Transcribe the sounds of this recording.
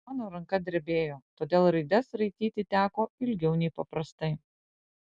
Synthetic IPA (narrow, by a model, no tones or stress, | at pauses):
mɑːnoːɾɐŋkɐd̪ʲɪɾʲbʲeːjoːt̪oːd̪ʲeːlˠɾɐɪd̪ʲɛsɾɐɪt̪ʲiːt̪ʲɪt̪ʲæːkoːɪlʲɡʲɛʊnʲɛɪpɐpɾɐst̪ɐɪ